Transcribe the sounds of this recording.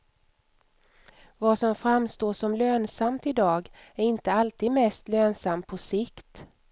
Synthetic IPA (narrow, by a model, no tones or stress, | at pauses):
vasɔmfɾamːst̪oːʂɔmløːnsamt̪ɪd̪ɑːɡ | æɾɪnt̪əalt̪ʰiːd̪mɛst̪løːnsampʰɔsɪkt̪